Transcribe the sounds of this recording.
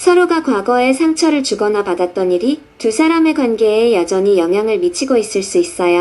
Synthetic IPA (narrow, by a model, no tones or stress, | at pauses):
sʰʌɾoɡakwaɡʌe̞sʰaŋt͡ɕʰʌɾɯɭt͡ɕuɡʌnapadat̚t͈ʌniɾi | tusʰaɾame̞ɡwanɡe̞ːjad͡ʑʌɲijʌŋɦjaŋɯɭmit͡ɕʰiɡois͈ɯɭs͈uis͈ʌjo